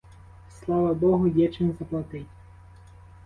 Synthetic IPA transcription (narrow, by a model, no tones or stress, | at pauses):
slˠɑʋɐbɔɦʊjɛt͡ʃɪmzɐplˠɐt̪ɪtʲ